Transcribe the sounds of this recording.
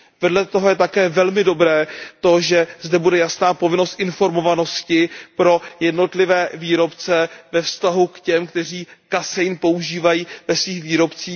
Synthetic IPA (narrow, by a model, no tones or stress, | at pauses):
vɛdlɛt̪oɦojɛt̪akɛːvɛlmɪdo̞bɾɛːt̪o̞ʒɛzdɛbudɛjasnaːpo̞vɪno̞st̪ʔɪnfo̞ɾmo̞vano̞scɪpɾo̞jɛdno̞t̪lɪvɛːviːɾo̞pt͡sɛvɛfst̪aɦukcɛmkt̪ɛr̝iːkasɛjnpo̞uʒiːvajiːvɛsviːxviːɾo̞pt͡siː